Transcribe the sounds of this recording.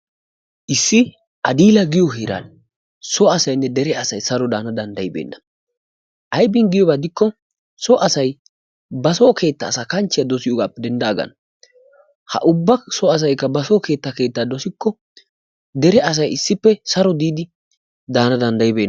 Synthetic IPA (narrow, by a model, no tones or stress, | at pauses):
ʔɪsːɪ | ʔɐd̪iːlɐɡɪjɔɦiːɾa̰ːn | sɔɐsɐjnːɛd̪ɛɾɛɐsɐjsɐɾɔd̪aːnɐd̪ɐnd̪ɐjɪbḛːnːɐ | ʔɐjbɪŋɡɪjɔbɐd̪ɪkːɔ | sɔʔɐsɐj | bɐsoːkʰe̞ːt̪ːɐːsaːkɐnt͡ʃːɪjad̪ɔsɪjɔɡaːpːɛd̪ɛnd̪ɐːɡɐ̰n | hɐ̰ʔʊbːɐsɔɐs̬ɐjkːɐbɐsoːke̞ːt̪ːɐke̞ːt̪ːaːd̪ɔsɪkːɔ | d̪ɛɾɛɐs̬ɐjɪsːɪpːɛsɐɾɔd̪iːd̪ɪ | d̪aːnɐd̪ɐnd̪ɐjɪbe̞ːn